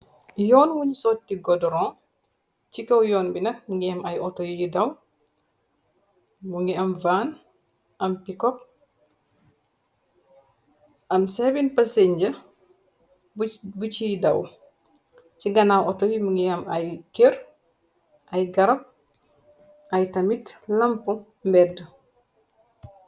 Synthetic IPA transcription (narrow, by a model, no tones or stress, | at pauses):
jɔːnwuɲsɔːtːiɡɔdɔɾɔ̃ː | cikɐwjɔːnbinɐk̚muŋɡiɐmɐjɔtojijidɐw | muŋɡiɐmvaːn | ʔɐmpikɔp̚ | ɐmsebinpɐseɲɟə | bbut͡ʃidɐw | ciɡɐnawʔɔtojimuŋɡijɐmajkeɾ | ʔajɡɐɾɐp̚ | ajtɐmitlɐmpu | mbɛdə